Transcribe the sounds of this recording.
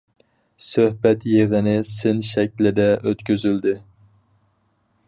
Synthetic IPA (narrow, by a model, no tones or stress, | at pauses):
søhbɛt̪jeʁɪnɪsɪnʃɛkʲlɪd̪ɛʔøt̪kʲyzyld̪ɪ